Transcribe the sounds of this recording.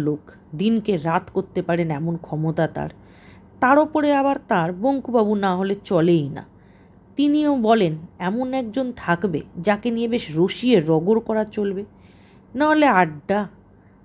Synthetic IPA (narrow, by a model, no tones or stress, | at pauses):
lok | d̪inkeɾat̪ʰkoɾt̪ːepaɾenɛmonkʰɔmot̪at̪a̰ɾ | t̪aɾopoɾeaβaɾt̪aɾboŋkubabunaɦolet͡ɕɔlejna̰ | t̪iniobɔlenɛmonɛk̚d͡ʑont̪ʰakbḛd͡ʑakenijebeʃɾoʃieɾɔɡoɾkɔɾat͡ɕolbe | naɦoleaɖɖa